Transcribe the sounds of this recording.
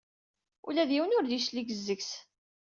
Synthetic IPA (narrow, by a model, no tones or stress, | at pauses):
ṵlæðjiwənʊɾliʃliɡəzːəɡs